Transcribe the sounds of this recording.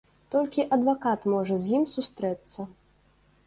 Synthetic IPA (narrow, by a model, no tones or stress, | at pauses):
t̪ɔlʲkʲiʔɐd̪vakat̪mɔʐɐzʲjimsust̪ɾɛt̪sːɐ